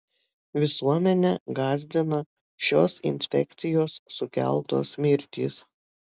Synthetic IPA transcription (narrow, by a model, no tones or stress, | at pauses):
ʋʲɪsuɔmʲɛnʲɛɡɑːzʲd̪ʲɪnɐ | ʃʲoːsɪ̰nʲsʲpʲɛ̰kt̪sʲɪjoːsːʊkʲæ̰lˠt̪o̰ːsmʲɪɾʲt̪ʲiːs